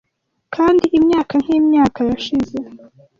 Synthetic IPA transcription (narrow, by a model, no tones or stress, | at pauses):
kʰaːndiʔimɲaːkaŋ̥hiːmɲaːkajaʃize̞